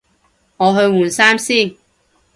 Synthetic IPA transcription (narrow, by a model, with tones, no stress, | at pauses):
ŋɔː˨˧ɦɵ˧ɥmuː˨˩nsaː˥msiː˥˩ŋ